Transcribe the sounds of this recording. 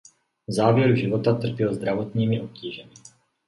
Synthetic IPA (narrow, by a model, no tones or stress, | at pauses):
zaːvjɛɾuʒɪvot̪at̪r̩pjɛlzd̪ɾavot̪ɲiːmɪʔop̚ciːʒɛmɪ